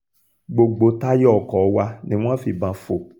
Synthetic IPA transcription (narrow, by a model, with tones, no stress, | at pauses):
ɡ͡bo˨ɡ͡bo˧ta˦jɔ˨kɔ˨˦wa˧nĩ˦w̃ã˦fi˧˨bã˧fo˨